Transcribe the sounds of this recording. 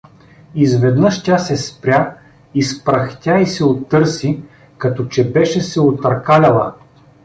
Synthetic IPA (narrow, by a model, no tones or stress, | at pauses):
izvɛd̪nɤʃtʲasɛspɾʲa | ispɾɐxt̪ʲaisɛot̪ːɤɾsi | kɐt̪ɔt͡ʃɛbɛʃɛsɛot̪ɐɾkalʲɐlˠə